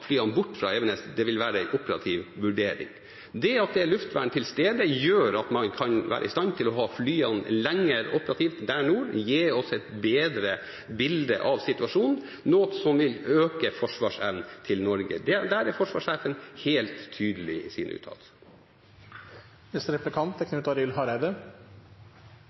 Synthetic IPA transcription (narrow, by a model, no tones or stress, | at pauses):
flyːɑnbʊʈːfɾɑ̰ːɛʋənɛsd̪ɛʋɪlʋæːɾəæɪʔʊpəɾɑ̰t̪ʰiʋʋʉɖeːɾɪ̰ŋ | d̪ɛɑt̪̚d̪ɛæɭʉft̪ʋæ̰ːɳt̪ʰɪlst̪eːd̪əjøːɾɑt̪mɑnkʰɑnʋæ̰ːɾʔə̰ɪ̰st̪ɑnt̪ʰɪlɔɦɑːflyːɑnlɛŋːəɾʊpəɾɑt̪ʰiːft̪d̪æɳuːɾjeːɔsɛɪt̪beːd̪ɾə | bɪld̪ə̰ʔɑʋsɪt̪ʉɑʂuːnn̩ | noːsɔmʋɪløːkəfɔʂʋɑːʂɛʋnt̪ʰɪlnɔɾɡə̰d̪ɛd̪æɾæɾfɔʂʋɑːʂæːfənheːlt̪ʰːyːd̪əlɪsḭːnəʉ̰ːt̪ʰɑ̰ːlsə̥ | ɛst̪ɾɛp̪əkʰɑnt̪ɛknʉt̪ɑɾɪlhɑɾæd̪ə